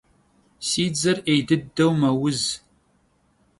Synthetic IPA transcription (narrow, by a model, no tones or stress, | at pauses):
siːd͡zɐrejdɨdɐwmɐwʊz